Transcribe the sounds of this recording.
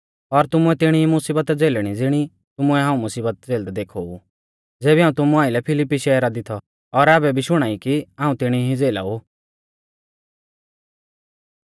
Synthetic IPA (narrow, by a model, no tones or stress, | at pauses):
ɔɾt̪ʊmuɛt̪ɪɽ̃iɦimʊsiːbət̪d͡zeːlɽ̃id͡zɪɽ̃i | t̪ʊmʊɛɦãːũmʊsiːbət̪̚d͡zeːld̪ɛd̪eːkʰou | d͡zeːbiɦãːũt̪ʊmuaːɪlɛpʰɪlɪpːiʃɛːɾad̪ɪt̪ʰɔ | ɔɾaːbɛbʱiʃʊɽ̃aːikiãːũt̪ɪɽ̃iɦid͡zeːla̰ːu